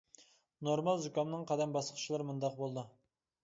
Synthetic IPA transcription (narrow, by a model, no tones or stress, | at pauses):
noɾmɑlˠzukʲɑmnɨŋqʰɑd̪ɛmbɑsqʰə̥t͡ʃʰilˠɨɾmund̪ɑq̚bolˠd̪u